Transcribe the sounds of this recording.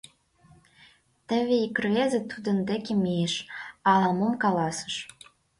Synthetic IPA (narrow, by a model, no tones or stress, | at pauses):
t̪ə̆βeikrezĕt̪ud̪ə̆nd̪ekemejeʃɑlɑmomkɑlɑsə̥̆ʃ